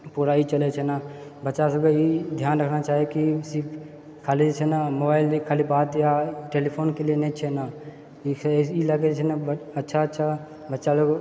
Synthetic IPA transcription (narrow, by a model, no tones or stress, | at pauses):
puːɾait͡ʃəlet͡ʃʰɛna | bətːʃas̬əɡeid̪ʱjaːnɾəkʰnat͡ʃaːɦiekisɪp | kʰaːlit͡ʃʰɛnamoːbaːɪlikʰaːlibaːt̪jaʈeːlipʰoːnkelieneit͡ʃʰɛnaː | ilaɡet͡ʃʰɛnabətːʃʰatːʃʰa | bətːʃaloːɡ